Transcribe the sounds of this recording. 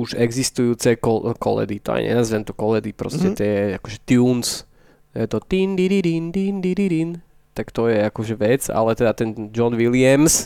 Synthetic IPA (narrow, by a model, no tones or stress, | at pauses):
uʒɛɡzist̪ujuːt͡sɛkɔkɔ̰lɛ̰d̪it̪ɔa̰j̰ɲɛ̰nazʋɛnt̪ɔkɔlɛd̪ipɾɔ̰scɛt̪ɛakɔʒɛt̪juːns | jɛt̪ɔt̪ind̪iɾiɾind̪ind̪iɾiɾin | t̪akt̪ɔjɛakɔʒɛʋɛd͡za̰lɛt̪ɛd̪at̪ɛnd͡ʒɔnʋilɪams